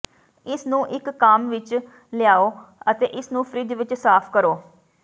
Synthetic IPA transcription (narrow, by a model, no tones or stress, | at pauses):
ɪsnũːʔɪkːaːmʋɪt͡ʃ | lɪjaːoːət̪ḛːʔɪsnũːpʰɾiːd̪ʋɪt͡ʃsaːpʰkəɾoː